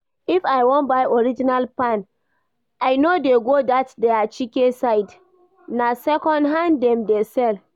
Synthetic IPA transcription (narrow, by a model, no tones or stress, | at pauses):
ifajwɔ̃nbaʔɔɹid͡ʒinalpãn | ajnodeɡodatdeat͡ʃikesaɪd | nasɛkɔ̃ndɦãnddɛ̃mdesɛl